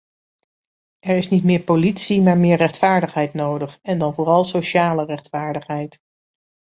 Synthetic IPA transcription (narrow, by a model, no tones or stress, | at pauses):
ʔɛɹɪsnitmɪːɹpolitsimaːɹmɪːɹrɛχtfaːɹdəχɦɛjtnowdəχɛndɑnvʊːrɑlˠsoʃaːlərɛχtfaːɹdəχɦɛjt